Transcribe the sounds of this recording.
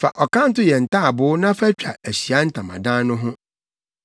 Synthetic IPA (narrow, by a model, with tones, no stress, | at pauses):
fa̰˨ʔɔ˨kʰã˦n̩˦tʊ˦jɛ˨n̩˨tʰaː˦a˨bʊ˨˦nã˦fæ˦t͡ɕᶣa˨æ˨ɕi˨a˦n̩˦tʰã˨mã̰˨dã˦nʊ̃˦ɦʊ̃˦